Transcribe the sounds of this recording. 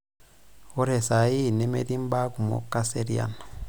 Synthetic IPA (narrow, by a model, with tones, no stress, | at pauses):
o˦ɾe˨sa˨ji˦˨ne˦me˦ɾi˦mba˦ku˨mo̰˦kːa˦se˦ɾia̰˦na˨